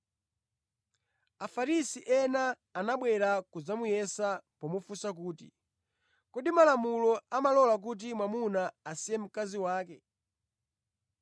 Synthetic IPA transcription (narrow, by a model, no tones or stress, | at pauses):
afaɾisiʔɛnaː | naɓwɛɾakuzamujɛsapɔmufusak̬uːtḭ | kɔɗimalamulɔamalɔlak̬ut̬imwamunaːsijɛm̩kaziwaːkɛ